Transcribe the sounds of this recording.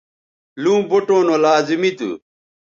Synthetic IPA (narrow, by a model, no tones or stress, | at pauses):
lũːboʈõːnolaːzimit̪ṵ